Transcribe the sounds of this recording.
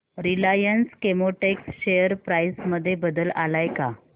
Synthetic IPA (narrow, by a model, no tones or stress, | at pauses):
ɾilajənskemoʈeksɕejəɾpɾajsməd̪ʱːjebəd̪əlalajka